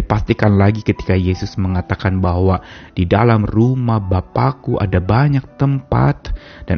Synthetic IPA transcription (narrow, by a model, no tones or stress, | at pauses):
dipast̪ikanlaɡikət̪i̥kajesʊsməŋat̪akanbahwad̥idalamrumahbapakuʔa̰dabaɲak̚t̪əmpa̰t̪̚ | d̥an